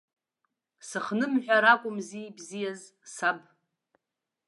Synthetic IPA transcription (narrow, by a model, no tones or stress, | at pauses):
sɨχnɨmħᶣʷaɾakʷʼʊmzijbzijaz | sab̚